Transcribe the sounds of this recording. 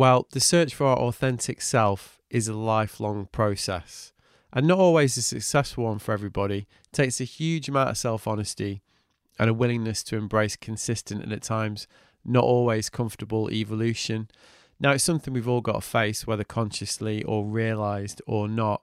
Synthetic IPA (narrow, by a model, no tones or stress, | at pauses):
wɛlˠðəsɜˑ˞t͡ʃfə˞aʊʔɔθɛ̃ntʰɪksɛlˠf | ʔɪzəlaɪflɒ̃ŋpʰɹ̥oʊsɛ̰s | ʔə̃nːətɔlˠwizəsɨksɛsfl̩ˠwʌ̃nfə˞ɛvɹibɒɾi | tʰeɪksɨhjʉːd͡ʒəmãʊtə̰v̥sɛlˠfɒnəsti | ʔə̰̃ñəwɪlˠɪ̃ŋnəstʰəɛ̃mbɹeɪskʰɨ̃nsɪstɨ̃ntɨ̰̃nɨtʰãɪ̃mz | nəʔɔlˠwiz̥kʰʌ̃ɱftəbəlˠɪ̰vəlʉˑʃə̃nː | aʊɪtsʊ̃mθɪ̃ŋwivɔlˠɡɑ̰təfeɪswɛðəkʰɒ̃nʃəsliʔəɹiəlaɪzdənəʔ